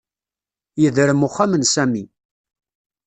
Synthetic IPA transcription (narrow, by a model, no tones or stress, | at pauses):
jəðɾəmʊχːamənsæmi